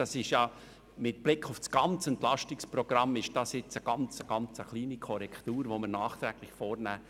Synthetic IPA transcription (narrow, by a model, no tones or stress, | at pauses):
ɑsɪʃjɑ | mɪt̚b̥lɪkʰːʊfsɡ̥ɑnt͡sɛntlɑʃtɪkspɾɔɡ̥ɾɑmːɪʃd̥ɑsjɪt͡səɡ̥ɑnt͡səɡ̥ɑnt͡səχliːnikʰɔɾɛkʰtuːɾʋoməɾnɑːχt̪ɾɛːɡ̥lɪçfoːrnæː